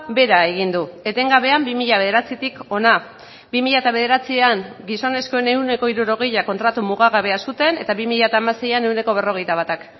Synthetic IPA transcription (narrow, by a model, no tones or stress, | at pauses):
be̞ɾae̞ɣ̞ind̪ue̞t̪e̞ŋɡaβe̞ambimiʎaβe̞ð̞e̞ɾat͡sit̪iko̞na | bimiʎat̪aβe̞ð̞e̞ɾat͡sieaŋɡiso̞ne̞sko̞ene̞wne̞ko̞iɾuɾo̞ɣe̞jʎako̞nt̪ɾat̪umuɣaɣaβe̞asut̪e̞ne̞t̪aβimiʎat̪aːmase̞jane̞wne̞ko̞β̞e̞ro̞ɣe̞jt̪aβat̪ak